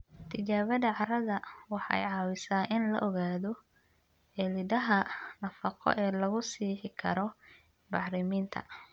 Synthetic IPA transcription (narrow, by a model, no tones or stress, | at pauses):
t̪ʰɪt͡ʃaːβɐðɐʕɑɾɐðɐwɑħɑ̰jʕɑːwɪsaːnʔɪnlɐ̰ʔɔɣaːðɔ | ɛlɪðɐɦɐnɐfɑqʰɔ̰ʔɛːlɐɣʊsiːħɪkʰɐ̰ɾɔ | bɑħɾɪmiːnt̪ʰɐ̰